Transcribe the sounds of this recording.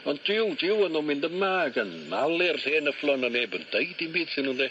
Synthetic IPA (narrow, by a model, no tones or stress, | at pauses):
ɔndɪwdʰɪwənuːmɪndəmaɡənmalˠɪrɬeːnəflˠɔnaneːbənd̥ejdinbiːd̥sɪnundɛ